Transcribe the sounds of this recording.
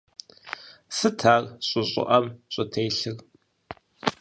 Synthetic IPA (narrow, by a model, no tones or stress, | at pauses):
sɨtʰaːrɕʼʊɕʼɪ̰ʔɐmɕʼʊtʰejɬɨr